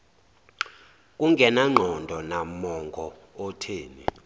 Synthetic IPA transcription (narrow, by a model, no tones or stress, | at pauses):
kʼuŋɡʱɛnaŋ͡ǃʱɔndʱɔnamɔŋɡʱɔː | tʰeːni